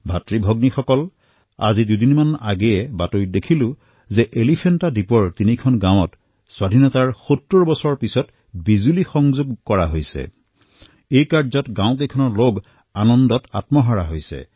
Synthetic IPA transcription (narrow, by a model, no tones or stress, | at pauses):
bʱatɹibʱɔɡnixɔkɔl | a̰zidudinmanaɡɛjɛbatojdekʰilʊ̃ | zɛʔelipʰentadipɔɹtinikʰɔnɡãw̃ɔt | swadʱinɔtaɹxotːoɹɔbɔsɔɹpisɔt | bizulixɔŋzoɡkɔɹaɦojsɛ̰ | ejkaɹzɔtɡãʊ̃k̬ejkʰɔnɔɹloɡ | anɔndɔta̰tmɔɦaɹaɦojsɛ̰